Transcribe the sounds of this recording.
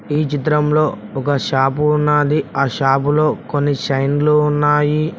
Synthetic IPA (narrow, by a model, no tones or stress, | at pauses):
iːt͡ʃit̪ɾɐmlo̞ːɔkɐʃaːpunːaːd̪iaːʃaːpulo̞ːkonːit͡ʃɐjnloːunːaːji